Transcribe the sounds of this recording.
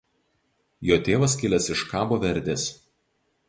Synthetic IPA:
joːt̪ʲeːʋɐs̬kʲɪlʲɛsɪʃkɑːboːʋʲɛɾʲd̪ʲeːs

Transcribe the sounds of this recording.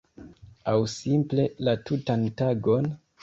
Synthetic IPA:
awsimple̞latutantaɡo̞n

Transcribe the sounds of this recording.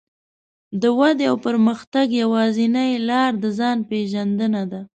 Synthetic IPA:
d̪əwad̪awpəɾməxt̪aɡjawɑzinəjlɑɾd̪əzɑnpeʒand̪ənad̪a

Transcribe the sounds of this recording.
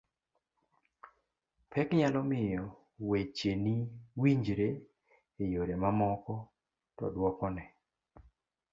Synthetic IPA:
pɛkɲalɔmɪjɔ | wet͡ʃeniwiɲd͡ʒɾe | ejoɾemamɔkɔ | tɔ̰dwɔkɔnɛ

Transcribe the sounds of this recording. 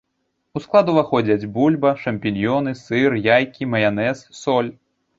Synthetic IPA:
usklˠad̪uvaxɔd͡zʲɐd͡zʲbulʲbɐʂɐmʲpʲinʲjɔnɨsɨrjajkʲimɐjanɛsːɔlʲ

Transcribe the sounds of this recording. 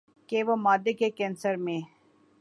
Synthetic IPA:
keʋomaːd̪ːekekɛ̃ːnsəɾmẽ

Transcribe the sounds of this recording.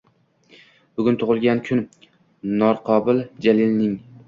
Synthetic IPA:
b̥ʊɡʲʊnt̪ʰʊʁɨlˠɡʲankʲʰʊn | nɒɾqʰɒbɪld͡ʒalɪlnɪŋ

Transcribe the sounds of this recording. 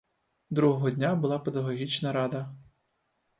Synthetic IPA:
d̪ɾuɦɔɦɔdʲnʲabʊlˠɑped̪ɐɦɔɦʲit͡ʃnɐɾɑd̪ɐ

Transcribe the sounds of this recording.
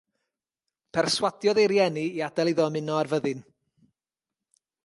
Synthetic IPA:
pʰɛrswadjɔðejɾjɛniiad̥ɛlˠɪðɔmɪnɔarvəðɨn

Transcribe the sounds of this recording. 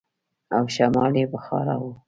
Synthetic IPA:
awʃamɑljepəxɑ̰ɾawo

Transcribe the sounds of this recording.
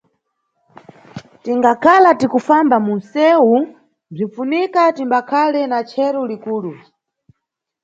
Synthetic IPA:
tiŋɡakʰalatikufambamun̩sɛu | b͡ʐiɱfunikatimbakʰalɛnat͡ʃʰɛɾɔlikuːlu

